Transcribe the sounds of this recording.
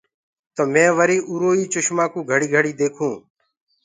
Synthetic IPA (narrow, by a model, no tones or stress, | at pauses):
t̪əːmɛ̃ːʋəɾiːʔuːɾoːiːt͡ʃʊʃmãːkũːɡʱəɽiːɡʱəɽiːd̪eːkʰũː